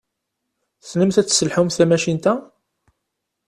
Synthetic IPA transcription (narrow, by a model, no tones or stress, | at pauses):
θnəmθæt͡sːsəlħumθæmæʃint̪æ